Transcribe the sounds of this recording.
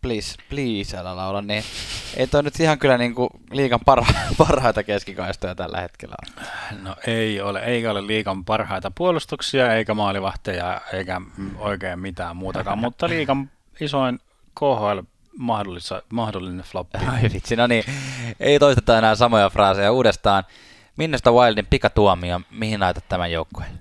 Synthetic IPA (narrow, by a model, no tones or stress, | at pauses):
plispliːsælːælɑolɑnniʔḛit̪oˑinyt̪ihɑŋkylːˑæniːŋku | liːkɑmpɑrhɑpɑrhɑit̪ɑkeskikɑist̪ojɑt̪æ̰lːæ̰hḛt̪kḛlːæ̰o̰̥noeioleʔeikæolelliːkɑmpɑrhɑit̪ɑpuolust̪uksiɑeikæmɑːliʋɑht̪ejɑeikæoikeːmmit̪æːmmuːt̪ɑkɑmmut̪ːɑliːkɑm | isoin | kohoil | mɑhdolːisɑmɑhdolːineflopːoiʋit̪sinoniʔḛit̪oist̪e̥t̪ːɑenæːsɑmojɑfrɑːsejɑuːdest̪ɑːn | minːost̪ɑwɑildimpikɑt̪uɑmiɑmihinlɑˑit̪ɑt̪t̪æmæjjoukːo̥j